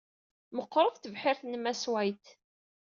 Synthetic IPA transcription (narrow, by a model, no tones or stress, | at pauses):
məqːɾˤəðθəvħɪɾθnəmːæswæjt̪